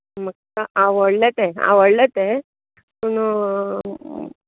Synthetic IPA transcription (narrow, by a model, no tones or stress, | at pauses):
mək̚t̪əʔaʋəɽlət̪ea̰ʋəɽlət̪e | pun